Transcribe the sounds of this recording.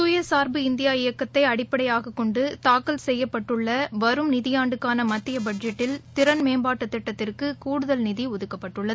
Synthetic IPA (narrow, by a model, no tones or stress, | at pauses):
sʊjɐsaːɾbɯɪnd̪ɪjaːɪjɐkːɐt̪ːɐɪɐɽɪpːɐɽɐjaːɣɐkːɔɳɖɯt̪aːkːɐlsɛjːɐpːɐʈːɯɭːɐʋɐɾɯmnɪðɪjaːɳɖɯkːaːnɐmɐt̪ːɪjɐbɐɖd͡ʒɛʈːɪlt̪ɪɾɐnmeːmbaːʈːɐt̪ːɪʈːɐt̪ːɪrkɯkuːɽɯðɐlnɪðiʊðɯkːɐpːɐʈːɯɭːɐðɯ